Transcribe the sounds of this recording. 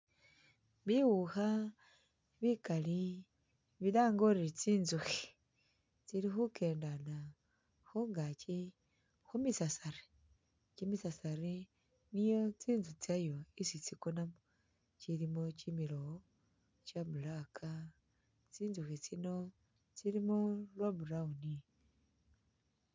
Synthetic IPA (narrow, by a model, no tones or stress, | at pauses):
βiwuxa | βikali | βilaːŋɡoɾit͡siːnzuxi | t͡silixuke̞ːndana | xoŋɡat͡ʃi | xumisasaɾi̥ | cimisasaɾi | nijot͡sinzut͡sajoisit͡sikonamo | t͡ʃiɾimot͡ʃimiɾo | t͡ʃamulakʰa | t͡sinzuxit͡sino | t͡siɾimolwaβuɾauni